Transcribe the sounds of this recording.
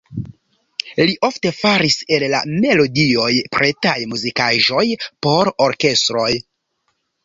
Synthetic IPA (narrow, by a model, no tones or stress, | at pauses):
liʔo̞fte̞faɾise̞lla̰me̞lo̞dio̞jpɾetajmuzikaʒo̞jpo̞ɾoɾke̞stɾo̞j